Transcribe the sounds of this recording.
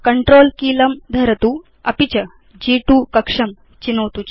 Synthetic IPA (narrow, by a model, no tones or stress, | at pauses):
kɐɳʈɾoːlkiːlɐmd̪ʱɐɾɐt̪uː | ɐpit͡ɕɐ | d͡ʑiːʈuːkɐkʂɐm | t͡ɕinɐwt̪ut͡ɕ